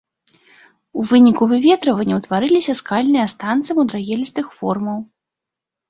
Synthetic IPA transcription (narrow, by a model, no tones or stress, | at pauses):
uvɨnʲikuvɨvʲɛt̪ɾɐvɐnʲːɐwt̪vaɾɨlʲisʲɐskalʲnɨjɐst̪ant̪sɨmud̪ɾaɣʲɛlʲist̪ɨxfɔrmɐw